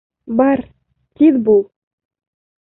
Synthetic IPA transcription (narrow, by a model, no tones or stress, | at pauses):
bɑɾ | t̪ʲiðbulˠ